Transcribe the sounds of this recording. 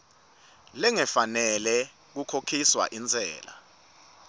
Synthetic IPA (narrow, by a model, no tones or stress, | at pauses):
lɛŋɛfanɛlɛ | k̬ukʰokʰiswa̰ʔind͡zʱɛ̰ːla̰